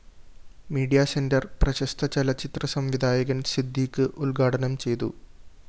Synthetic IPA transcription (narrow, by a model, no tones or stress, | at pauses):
miːɖijaːsendɐrprɐɕɐst̪ʰɐt͡ɕɐlɐt͡ɕːit̪rɐsɐmʋid̪ʱaːjɐɣɐnsid̪ʱːiːkːɨʔulɡaːʈʰɐnɐmt͡ɕe̞jt̪ṵ